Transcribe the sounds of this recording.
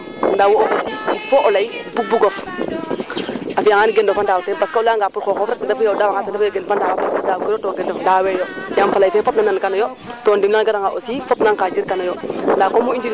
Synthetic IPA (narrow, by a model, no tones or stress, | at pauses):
ndawooʔosiifoʔɔlajbubuɡɔf | afijaŋaniɡɛndɔfandaːwtɛnpaskaulaŋɡaːpuɾkɔxɔfɾak̚adafujawdawakatadafjoɡɛlfandaːwapaskadawkɛɾɔtɔɡɛndɔfdawɛjɔjamfalajfɛfɔp̚nanankanɔjɔ | tɔndimnaŋɡadaŋaʔosifɔpnaŋkad͡ʒiɾkanajɔndakɔmuind͡ʒiɾ